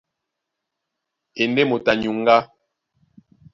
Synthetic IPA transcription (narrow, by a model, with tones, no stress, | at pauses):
e˨nde˦mo˨ta˨ɲu˨ŋ˦ɡa˦